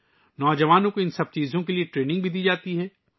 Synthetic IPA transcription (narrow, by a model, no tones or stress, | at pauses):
nɔːd͡ʒɐʋaːnõkoɪnsɐb̚t͡ʃiːzõkelieʈɾeːnɪ̃ŋɡ̚bʱid̪iːd͡ʒaːt̪iɦɛː